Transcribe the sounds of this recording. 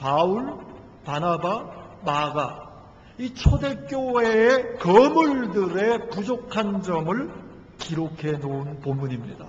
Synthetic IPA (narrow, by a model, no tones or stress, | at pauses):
pauɭ | panabamaɡa | it͡ɕʰode̞k͈joeekʌmuɭdɯɾe̞pud͡ʑokʰand͡ʑʌmɯɭ | kiɾokʰe̞nounpomːuɲimɲḭda